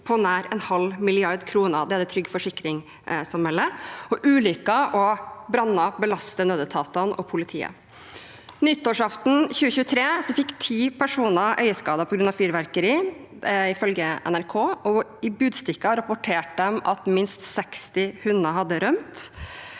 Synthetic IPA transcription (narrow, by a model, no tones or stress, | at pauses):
pʰɔnæːɾɛnhɑlmɪlɪɑɾd̪kʰɾuːnəɾd̪ɛæd̪ɛt̪ʰɾʏɡːfɔʂɪkɾɪŋ | sɑmhɛlːəɔʔʉːlʏkɑʔɔbɾɑnːɑbəlɑst̪ənøːd̪ət̪ʰɑːt̪ɑnʔɔ̰pʰʊlɪt̪ʰḭːə̰ | nʏt̪ːoːʂɑft̪n̩çʉːəçʉːət̪ʰɾeːsɔfɪkːt̪ʰiːpʰæʂuːnəʔœ̰ʏəskɑːd̪ɑpʰɔɡɾʉnɑfyːɾʋæɾkəɾiː | ɪfœlɡəʔɛ̰næɾkʰoːɔɪbʉːd̪st̪ɪkːɑɾɑpʊʈʰeːʈ̚d̪ɛmɑ̰t̪mɪnst̪sɛkst̪ɪhʉnd̪ɾəɦɑd̪ːəɾœmt̪